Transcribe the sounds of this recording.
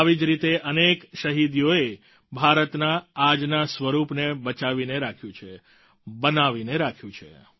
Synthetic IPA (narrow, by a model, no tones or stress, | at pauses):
ʋid͡ʒɾit̪eʔənekʃəɦid̪joe | bʱaɾət̪naːd͡ʒnasʋəɾupnebət͡ʃaʋineɾakʰjũt͡ʃʰe | bənaʋineɾakʰjũt͡ʃʰḛ